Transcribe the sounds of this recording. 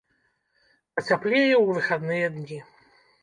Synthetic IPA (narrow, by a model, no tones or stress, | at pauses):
pɐt͡sʲaplʲɛjɛwvɨxad̪nɨjɛd̪nʲi